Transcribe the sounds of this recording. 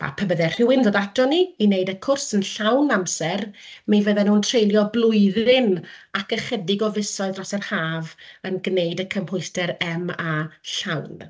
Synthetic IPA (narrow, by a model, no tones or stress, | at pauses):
b̥a̰pʰəbəðɛr̥ɪwɪnðodadɔniinejdəkʰʊrsənɬawnamsɛrmejvəðɛnuːntʰrejlˠjɔblˠʊɨðɪnakəχədɪɡɔvɪsɔɨðrɔsɛrhaːvənɡnejdəkʰəmhʊɨstɛɾɛmaɬawn